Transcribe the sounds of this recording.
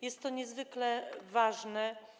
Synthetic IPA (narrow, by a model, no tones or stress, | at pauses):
jɛst̪ːɔɲɛzvɘklɛvaʐnɛ